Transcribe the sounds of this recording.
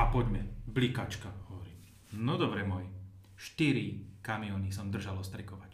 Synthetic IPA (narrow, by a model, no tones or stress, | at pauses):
apɔɟmɛblikat͡ʃkahɔʋɔɾiːm | nɔd̪ɔbɾɛmɔj | ʃt̪iɾikamiɔnisɔmd̪r̩ʒalɔst̪ɾɛkɔʋac